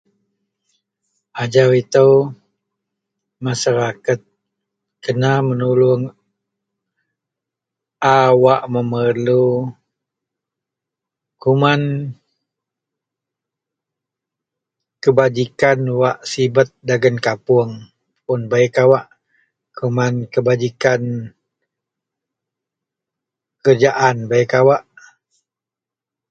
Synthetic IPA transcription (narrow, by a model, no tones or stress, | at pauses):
ʔad͡ʒawit̪əw | maʃaɾakat̪̚ | kənamənuluŋ | ʔawaʔməmərlu | kuman | kəbad͡ʒikanwaʔsibət̪̚daɡənkapuəŋ | pʊnbaikawaʔ | kumankəbad͡ʒikan | əkərd͡ʒaʔanbajəkawaʔ